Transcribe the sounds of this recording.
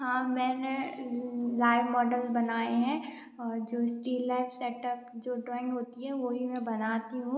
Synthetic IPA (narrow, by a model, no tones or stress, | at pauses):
ɦãːmɛ̃ːne | laːɪʋmɔːɖəlbɐnaːeɦɛ̃ | ɔːɾd͡ʒoːsʈiːlːaːɪfʰsɛːʈəp̚d͡ʒoːɖɾɔːɪ̃ŋɡɦoːt̪iɦɛʋoːɦimɛ̃bɐnaːt̪iɦũː